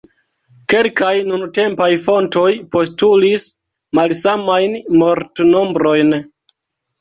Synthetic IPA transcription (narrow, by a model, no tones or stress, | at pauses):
ke̞lkajnunte̞mpajfo̞nto̞jpo̞stulis | malsamajnmo̞ɾtno̞mbɾo̞jn